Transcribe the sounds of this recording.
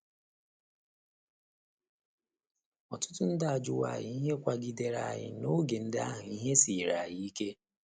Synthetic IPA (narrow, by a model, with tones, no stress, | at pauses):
ɔ˨tʊ̥˦tʊ˦n̩˦da˦a˨d͡ʒʊ˦wa̰˨ɣɪ˨i˦ɦe˦kʷa˦ɡi˦de˨ɾa̰˨jɪ̰˨no˦ɡe˨n̩˦da˦ɦʊ˨i˦ɦe˦si˨ɾa˨jɪ˦i˦ke˦